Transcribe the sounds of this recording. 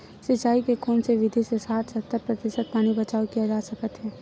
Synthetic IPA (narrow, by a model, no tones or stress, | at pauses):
sɪt͡ʃaːikekʰuːnseʋɪd̪ʱisesaːt̪ʰsɐt̪ːəɾpɾɐt̪ɪʃət̪̚paːnibɐt͡ʃaːukijad͡ʒaːsɐkət̪ɦɛː